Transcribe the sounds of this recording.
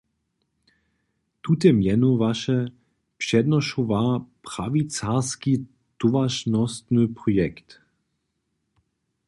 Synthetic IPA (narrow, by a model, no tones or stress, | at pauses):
t̪ut̪ɛmjɛnuvaʃɛ | pʃɛd̪nɔʃuvapʁavit͡saski | t̪uvaʃnɔst̪nɨpʁɔjɛkt̪